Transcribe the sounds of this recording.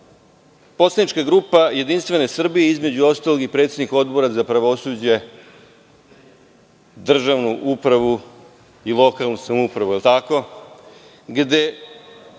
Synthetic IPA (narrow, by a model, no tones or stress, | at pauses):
po̞t̪sanit͡ʃkaɡɾupaje̞d̪inst̪ʋe̞ne̞sr̩bije̞izme̞d͡ʑuo̞st̪alˠo̞ɡipɾet̪se̞d̪niko̞d̪bo̞ɾazapɾaʋo̞suːd͡ʑe̞ | d̪r̩ʒaʋnuʔupɾaʋu | ilˠo̞kalˠnusamoupɾaʋuelt̪ako̞ | ɡd̪e̞